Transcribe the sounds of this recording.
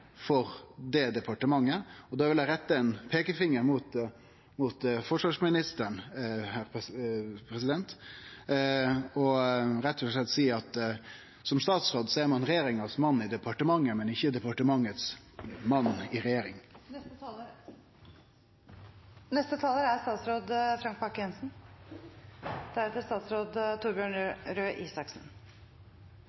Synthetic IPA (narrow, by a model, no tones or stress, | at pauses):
fɔɾd̪ɛd̪ɛpɑʈəmɑŋːəɔd̪ɑːʋɪljæɪɾɛt̪ːəɛnpʰeːkəfɪŋːəɾmʊt̪ | mʊt̪fɔʂʋɑʂmɪnɪst̪əɳhæːɾ | pʰɾɛsɪd̪ɛnt̪ | ɔɾɛt̪ʰːɔɛt̪siːɑt̪ | sɔmst̪ɑːt̪sɾoːd̪sɔɛɾmɑnɾɛjeːɾɪŋɑsmɑnːɪd̪ɛpʰɑʈəmɑŋːəmɛnɪçəd̪ɛpɑʈəmɑŋːət̪smɑnːɪɾɛjeːɾɪŋ | nɛst̪ət̪ʰɑːləɾæst̪ɑːt̪sɾoːd̪fɾɑŋk̚pʰɑkːəɛnsn̩ | d̪̥æɾɛt̪əst̪ɑːt̪sɾoːd̪t̪ʰuɾbjøːɳɾøːʔiːsɑksn